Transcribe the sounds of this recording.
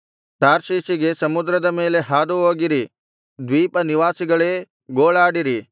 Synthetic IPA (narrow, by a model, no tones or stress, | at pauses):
ʈaːɾʃiːsiɡe̞sɐmud̪ɾɐd̪ɐme̞ːle̞ɦaːd̪uɦoːɡiɾi | d̪ʋiːpɐniʋaːsiɡɐɭeː | ɡoːɭaːɽiɾi